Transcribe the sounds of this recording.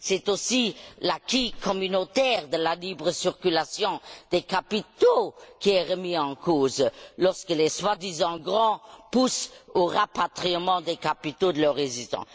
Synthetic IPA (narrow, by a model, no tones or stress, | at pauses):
sɛt̪osilakikɔmynot̪ɛːʁd̪əlalibʁəsyʁkylasjɔ̃d̪̥ɛkapit̪okiɛʁəmiɑ̃kʰoːzlɔʁskəleswad̪izɑ̃ɡʁɑ̃pusoʁapat̪χimɑ̃d̪ɛkapit̪od̪əlœʁːezist̪ɑ̰̃